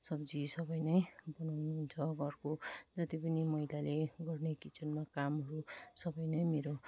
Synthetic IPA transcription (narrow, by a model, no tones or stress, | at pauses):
sʌbd͡zisʌbʌjnʌjbʌnawnuɦunt͡sʰʌɡʌrkod͡zʌt̪ipʌnimʌɦilaleɡʌrnekit͡sʰʌnmakamɦʌɾusʌbʌjnʌjmeɾo